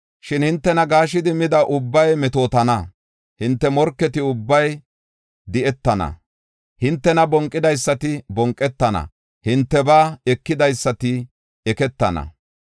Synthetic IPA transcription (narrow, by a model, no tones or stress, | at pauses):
ʃɪnhɪnt̪ːɛnɐɡaːʃ̬ɪd̪ɪmɪd̪ɐʔʊbːɐjmɛt̪o̞ːt̪ɐnɐ | hɪnt̪ːɛmɔɾkːɛt̪ɪʊbːɐj | d̪ɪʔɛt̪ːɐnɐ̰ | hɪnt̪ːɛnɐbɔŋkʼːɪd̪ɐjsːɐt̪ɪbɔŋkʼːɛt̪ːɐnɐ̰ | hɪnt̪ːɛbaːɛkːɪd̪ɐjsːɐt̪ɪ | ɛkɛt̪ːɐnɐ̰